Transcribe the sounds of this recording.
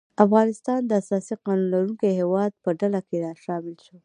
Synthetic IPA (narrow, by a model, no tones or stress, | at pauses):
afɣɑnɪst̪ɑnd̪əasɑsiqɑnunlaɾuŋkeɦewɑd̪̚pəɖalakeɾɑʃɑmɪlʃo